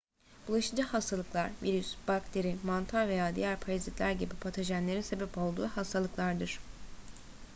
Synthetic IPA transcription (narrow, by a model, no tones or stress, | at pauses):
b̥ulˠaʃɯd͡ʒahast̪ʰalˠɯklˠaɾviɾysb̥akt̪ʰe̞ɾimant̪ʰaɾve̞jaːd̪ijæɾpʰaɾazit̪lʲæɾɟibipʰat̪ʰaʒænlʲe̞ɾinse̞bɛpo̞lˠd̪uːhast̪ʰalˠɯklˠaɾd̪ɯɾ̥